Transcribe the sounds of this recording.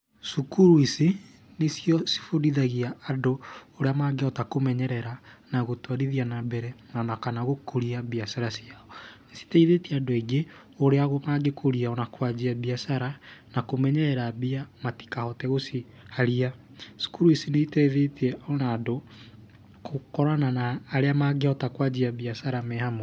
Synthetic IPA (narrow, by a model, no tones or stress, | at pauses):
sukuɾuisi | nesjɔsi̥fodiðaɣiaːdooɾeamaːɡeɔtakomɛɲɛɾɛɾanaɣotwaɾiðianabɛɾɛnanakanaɣokoɾiabiasaɾasiaɔnasi̥taiðetiɛadoeɡe | oɾeaɣomaɡekʰoɾiaɔnakwad͡ʒiabiasaɾanakomɛɲɛɾɛɾabiamati̥kahɔtɛɣosi | haɾia | su̥kuɾuisineitɛðetiɛɔnaːdo | kokɔɾananaːɾeamaɡeɔtakwad͡ʑiabiasaɾamɛhamo